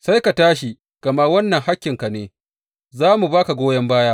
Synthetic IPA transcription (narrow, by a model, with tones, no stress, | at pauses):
sa˦jka˨taː˦ʃi˨ | ɡ̥ɐ˨ma˦wɐ˦nːɐ˨ŋha˦kʲːɪ˨ŋka˨neː˨ | zaː˦mu˨baː˦ka˨ɡʷoː˦jɐ˦mbaː˦jaː˦ʔ